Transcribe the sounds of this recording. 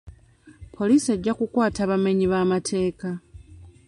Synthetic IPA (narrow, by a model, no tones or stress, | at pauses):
pʰo̞liːsie̞ɟːakukwaːtaːβame̞ɲiβaːmatʰe̞ːka